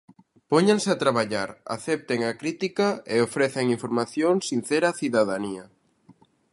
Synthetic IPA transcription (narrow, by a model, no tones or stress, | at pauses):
poɲenseat̪ɾaβaʎaɾa̰θɛp̚t̪eŋakɾit̪ikaeofɾɛθeŋiɱfoɾmaθjoŋsin̟θeɾaθiðaðania